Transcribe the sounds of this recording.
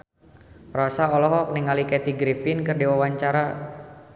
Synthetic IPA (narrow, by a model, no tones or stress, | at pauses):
rɔsaɔlɔɦɔk̚niŋalikɛt̪iɡɾifinkɨrdiwawaɲt͡ʃaɾa